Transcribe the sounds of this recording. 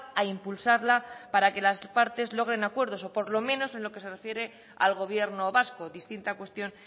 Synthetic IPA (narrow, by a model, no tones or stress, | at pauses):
aimpulsaɾlapaɾake̞laspaɾt̪e̞zlo̞ɣ̞ɾe̞nakwe̞ɾðo̞so̞po̞ɾlo̞mẽ̞no̞se̞nlo̞ke̞serefje̞ɾe̞ | a̰lɣ̞o̞βje̞ɾno̞βasko̞ðist̪int̪akwe̞st̪jo̞n